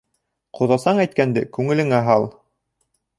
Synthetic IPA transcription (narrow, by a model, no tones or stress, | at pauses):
qoðɑsɑɴæjt̪̚kænd̪ɘkʉŋɘ̆lɘ̆ŋæɦɑlˠ